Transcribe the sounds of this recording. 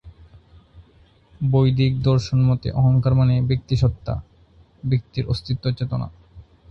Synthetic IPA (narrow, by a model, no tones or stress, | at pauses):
bojd̪ikd̪ɔɾʃonmɔt̪ḛʔɔɦoŋkaɾmanebek̚t̪iʃɔt̪ːa̰ | bik̚t̪iɾost̪ʰit̪ːot͡ɕet̪ona̰